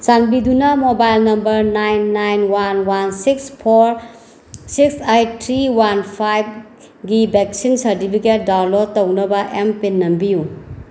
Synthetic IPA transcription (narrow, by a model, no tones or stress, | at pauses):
sanbidunɐmobajlnɐmbɐɾnajnːajnwanwansikspʰoɾ | siksajtʰɾiwanpʰajb̚ | ɡibek̚sinsɐɾtipʰiket̚dawnlotɐwnɐbɐʔempenːɐmbiju